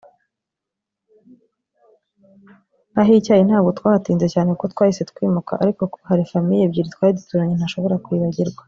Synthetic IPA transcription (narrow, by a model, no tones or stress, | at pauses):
aɦicaːjin̥aːbɡo̞twaːhatiːnze̞caːnekotkwaːjise̞tkwiːmuka̰ʔa̰ɾiko̞kohaɾifamijebɟiːɾitkwaːidutuːɾaɲenhaʃo̞βo̞ɾakwiːβaɟiɾɡwa